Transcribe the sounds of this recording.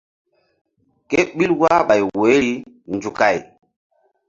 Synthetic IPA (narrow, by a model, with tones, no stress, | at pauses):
ke˦ɓi˦lwa˦ɓa˨jwo˨˦ɾi˦ | nd͡ʒu˨ka˨j